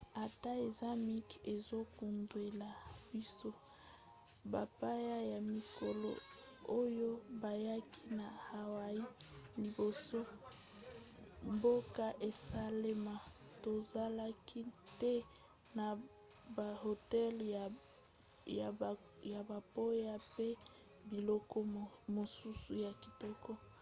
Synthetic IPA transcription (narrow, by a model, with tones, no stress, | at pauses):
a˨ta˦e˨za˦mi˦ke˨zo˦ku˨ndwe˨la˨bi˦so˦ | ba˨pa˦ja˦ja˨mi˨ko˨lo̰˨o˦jo˦ba˨ja˦ki˦na˨ha˨wa˨i˦li˨bo˨so˦ | mbo˦ka˦ʔe˨sa˦le˦ma˨ | to˨za˦la˦ki˦tɛ˦ | na˨ | ba˨ho˨tɛ˦la˨ | ja˨ | ja˨ba˨po˦ja˦pe˦ | bi˨lɔ˦kɔ˦mo˨su˦su˨ja˨ki˨tɔ˦kɔ˦